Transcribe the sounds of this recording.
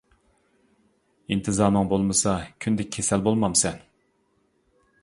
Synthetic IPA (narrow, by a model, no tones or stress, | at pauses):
int̪ʰɨzɑːnɨŋbolˠmɨsɑkʲʰynd̪ɛk̚ʲʰːesɛlbolˠmɑmsɛn